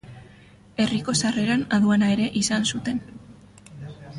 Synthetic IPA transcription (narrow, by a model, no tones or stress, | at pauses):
e̞riko̞sare̞ɾanaðuanae̞ɾe̞ʔisansut̪e̞n